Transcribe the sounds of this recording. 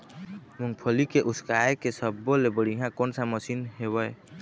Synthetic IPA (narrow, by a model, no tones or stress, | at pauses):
muŋɡpʰəlikeʔuskaekesəbːolebəɽiɦãkonsaməsinɦebəj